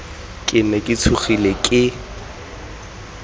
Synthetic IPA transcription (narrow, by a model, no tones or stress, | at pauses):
kʼɪnɛkʼɪt͡sʰuχilekʼɪ